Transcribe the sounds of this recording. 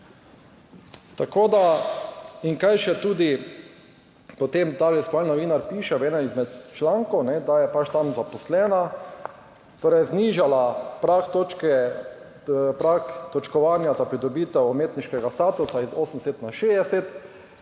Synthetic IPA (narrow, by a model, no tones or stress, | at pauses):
t̪akoːd̪a | iŋkajʃɛt̪uːd̪i | pɔt̪emt̪aːlɛskʋalnɔʋiːnaɾpiːʃɛʋɛːnɛnizmɛt̪t͡ʃlaŋkɔwnɛd̪ajɛpat͡ʃt̪amzapɔslɛːna | t̪oːɾɛjzniːʒalapɾakt̪ot͡ʃkɛ | pɾakt̪ɔt͡ʃkɔʋaːnjazapɾid̪ɔbiːt̪ɛwɔmeːt̪niʃkɛɡast̪aːt̪usaizoːsən̩d̪ɛset̪naʃeːd̪ɛsɛt̪